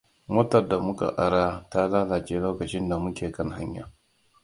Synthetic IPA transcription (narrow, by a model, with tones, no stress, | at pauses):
mɐ˦tɐ˨rda˨mʊ˦ka̰˨ʔa˦ɽaː˦ta˦laː˦la˨t͡ʃeː˦loː˦kɐ˨t͡ʃɪ˦nda˨mʊ˦kʲeː˨kɐ˦ŋha˦ɲja̰ː˦